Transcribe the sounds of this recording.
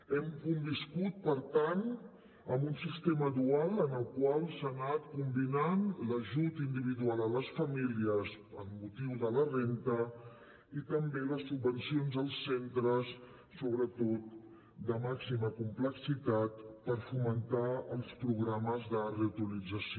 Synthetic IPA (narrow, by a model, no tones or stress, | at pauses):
ɛmkumbiskut̪̚pəɾt̪an | əmbunsist̪eməðualˠənəlˠkwalˠsanat̪kumbinanləʒut̪ind̪iβ̞iðualˠələsfəmiliəs | əmːut̪iwðələrent̪ə | it̪əmbeləsːubːənsionzəlˠsːent̪ɾəs | soβɾət̪ot̪ | d̪əmaksiməkumpləksit̪at̪̚pəɾfumənt̪aəlˠspɾuɣɾaməzðəreut̪ilid͡zəs